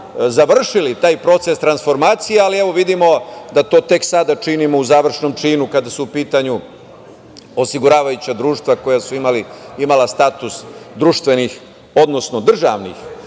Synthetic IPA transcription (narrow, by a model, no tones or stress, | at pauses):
zaʋr̩ʂilit̪aːjpɾo̞t̪se̞st̪ɾansfo̞ɾmaːt̪sijealieʋo̞ʋid̪imo̞d̪at̪o̞ːt̪e̞ksad̪at͡ʃinimo̞uzaːʋr̩ʂno̞mt͡ʂiːnukad̪asuupiːt̪aɲu | osiɡuɾaːʋajut͡ɕad̪ɾuːʃt̪ʋako̞jasuimaliimalast̪aːt̪usd̪ɾuʃt̪ʋe̞nix | o̞d̪no̞sno̞d̪r̩ʒa̰ʋnḭx